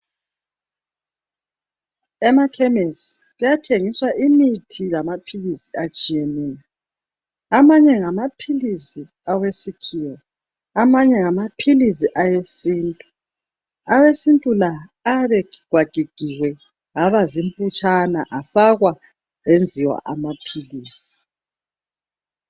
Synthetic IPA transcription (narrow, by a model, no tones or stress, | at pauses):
ɛmakʰɛmesi̥ɣujatʰeŋiswaʔimitʰilamapʰilisiat͡ʃʼijeniːlɛ | amaɲɛŋamapʰilisi | awesikʰiwɔ | amaɲɛŋamapʰilis̬iʔajesiːntʼu | awesintʼulaːβɛɡɣwaɡ̥ʱiɡ̥ʱiwɛ | ɣaβazim̩pʼut͡ʃʼanaʔafaɣwa | end͡zʱiwa̰ʔamapʰiliːsi̥